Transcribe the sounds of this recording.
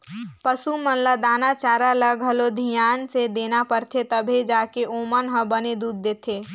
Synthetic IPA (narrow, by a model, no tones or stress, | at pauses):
pəsumə̃nləd̪aːnat͡ʃaːɾaləɡʱɦəlod̪ʱijaːnsed̪eːnapəɾt̪ʰet̪əbʱed͡ʒaːkeʔoːmənɦə̃bəned̪uːd̪̚ːeːt̪ʰeː